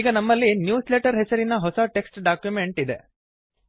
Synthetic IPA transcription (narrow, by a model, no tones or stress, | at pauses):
iːɡɐnɐmːɐlːinjuːsleʈɐɾɦesɐɾinɐɦɔsɐʈe̞ksʈɖaːkjume̞ɳʈid̪e̞